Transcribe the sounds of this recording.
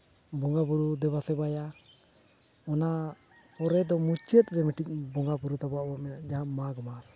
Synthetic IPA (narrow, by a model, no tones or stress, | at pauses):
bɔŋɡabuɾud̪ɛβasɛbaja | ɔna | pɔɾɛd̪ɔmut͡ʃɛt̪̚ɾɛmiʈic̚bɔŋɡabuɾut̪abɔaʔbamɛnaʔd͡ʒaɦamaɡɔmas